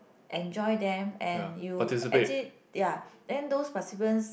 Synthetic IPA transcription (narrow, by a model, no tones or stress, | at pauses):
ʔɛ̃nd͡ʒɔjdɛ̃mɛ̃njuatisipet͡ʃli | jadɛ̃ndospasibə̃ns